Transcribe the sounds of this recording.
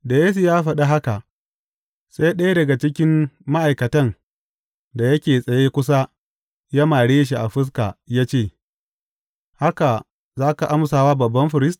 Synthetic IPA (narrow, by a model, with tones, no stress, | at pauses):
da˨jeː˦s̬u˨jaː˦ɸɐ˦ɗa˦ɦa˦ka˨ʔ | sa˦jɗɐ˦jdɐ˨ɡa˨t͡ʃɪ˦kʲɪ˦mːa˦ʔa˨jkɐ˨tɐ˦n | da˨jɐ˦kʲeː˨sʼɐ˨jeː˦kʷʊ˦s̬a˦ | ja˦maː˨ɽeː˦ʃ̬i˨ʔa˨ɸɪ˦s̬ka̰˨jaː˦t͡ʃeː˦˨ | ha˦ka˨ | zaː˦ka˨ʔa˦msaː˨waː˦bɐ˨bːɐ˦mɸɪ˨ɾɪ˦st